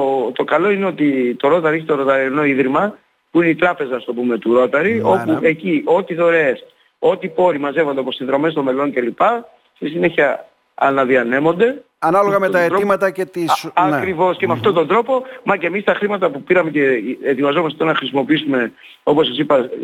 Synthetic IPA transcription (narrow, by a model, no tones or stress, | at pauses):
ot̪o̞kɐlo̞ineo̞t̪it̪o̞ɾo̞t̪ɐɾeçit̪o̞ɾo̞t̪ɐɾino̞iðɾimɐ | puineit̪ɾɐpe̞zɐst̪o̞pume̞t̪uɾo̞t̪ɐɾio̞pue̞ciʔo̞t̪iðo̞ɾe̞s | o̞t̪ipo̞ɾimɐze̞vod̪opossiðɾo̞me̞st̪ome̞lo̞ɲcelipɐ | st̪isine̞çiɐ | ɐ̰nɐðiɐne̞mo̞nd̪e̞ | ɐnɐloɣɐmet̪ɐetɾoimɐt̪ɐcet̪iɐkɾivo̞scemeɐft̪ot̪ond̪ɾo̞po̞mɐce̞mist̪ɐxɾimɐt̪ɐpupiɾɐme̞ceːt̪ivɐzo̞mɐst̪et̪onɐxɾisimo̞piisume̞ | o̞pos̬ːɐsipɐ